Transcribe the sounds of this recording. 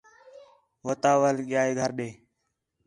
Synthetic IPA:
ʋət̪aːʋəlɠɪjaːeːɡʱəɾɗeː

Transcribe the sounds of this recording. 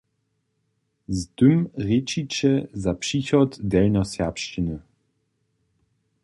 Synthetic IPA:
zd̪ʏmʁet͡ʃit͡ʃɛzapʂiçɔt̪dɛlnɔsapʃt͡ʃinə

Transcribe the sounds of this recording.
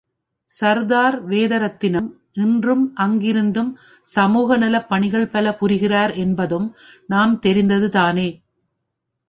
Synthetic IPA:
sɐɾðaːɾʋeːðɐɾɐt̪ːɪnɯm | ʔɪndrɯmʔɐŋɡɪɾɯnd̪ɯm | sɐmuːɣɐnɪlɐpːɐɳɪɣɐɭpɐlɐpʊɾɪɣɪraːɾɛnbɐðɯmnaːmt̪ɛɾɪnd̪ɐðɯt̪aːneː

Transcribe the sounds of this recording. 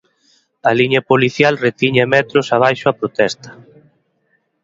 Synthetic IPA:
ɐliɲɐpoliθjalret̪iɲamɛt̪ɾosaβ̞ajʃʊapɾot̪ɛst̪ɐ̥

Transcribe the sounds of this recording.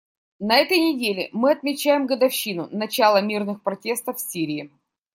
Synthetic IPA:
nɐɛt̪əjnʲɪdʲelʲɪmɨɐt̪̚mʲɪt͡ɕæjɪmɡəd̪ɐfɕːinʊnɐt͡ɕalˠəmʲirnɨxpɾɐtʲe̞st̪əfsʲiɾʲɪː

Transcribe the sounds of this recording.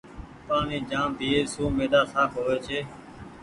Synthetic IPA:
paːnĩːd͡ʒãːmbʱiːeːsuːmeːd̪aːsaːpɦoːʋeːt͡ʃʰeː

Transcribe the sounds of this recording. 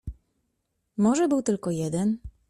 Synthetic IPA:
mɔʐɛbɘwt̪ɘlkɔjɛd̪ɛn

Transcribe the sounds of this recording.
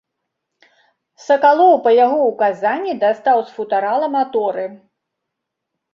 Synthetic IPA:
sɐkalˠɔwpɐjaɣɔukazanʲːid̪ast̪awsfut̪aɾalˠɐmat̪ɔɾɨ

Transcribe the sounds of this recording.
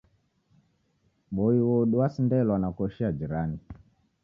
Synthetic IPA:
bɔiwɔɗuwasindɛlwanakɔʃiad͡ʒiɾani

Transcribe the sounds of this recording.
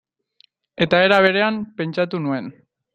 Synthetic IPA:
e̞t̪ae̞ɾaβ̞e̞ɾe̞ampe̞nt͡ʃat̪unue̞n

